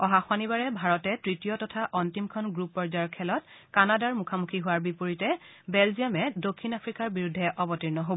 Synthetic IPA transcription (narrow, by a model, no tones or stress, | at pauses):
ɔɦaxwanibaɹɛbʱaɹɔtɛtɹitijɔtɔtʰaʔɔntimkʰɔnɡɹupːɔɹzaɹkʰːɛlɔt̚kanadaɹmukʰamukʰiɦʊwaɹbipoɹitɛ | bɛlziamɛdokʰːinapʰɹikaɹbiɹudʱːɛʔɔbɔtiɹnɔɦob